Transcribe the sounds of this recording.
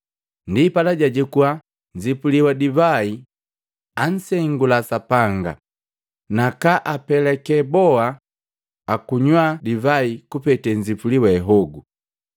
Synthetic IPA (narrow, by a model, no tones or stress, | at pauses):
ndipalaɟaɟɛkua | ɲd͡ʒipuliwadivai | an̩sɛŋɡulasapaŋɡa̰ | nakaʔapɛlɛkɛbɔaː | kuɲwadivaikupɛtɛɲd͡ʒipuliwaɛɦɔɡu